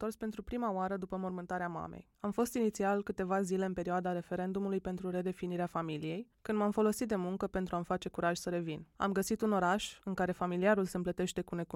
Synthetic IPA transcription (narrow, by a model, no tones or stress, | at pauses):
t̪o̞rspent̪ɾupɾimaoaɾəd̪upəmo̞rmɨnt̪aɾeama̰mḛj | amfo̞st̪init̪sialkɨt̪e̞vazile̞ɨnpe̞ɾioad̪aɾe̞fe̞ɾe̞nd̪umulujpe̞nt̪ɾuɾe̞d̪e̞finiɾeafamilije̞jkɨnd̪mamfo̞lo̞sit̪̚d̪e̞muŋkəpe̞nt̪ɾuamfat͡ʃe̞kuɾaʒʲsəɾe̞vina̰mɡəsit̪uno̞ɾaʃɨŋkaɾe̞familiaɾulse̞mplət̪e̞ʃt̪e̞kune̞k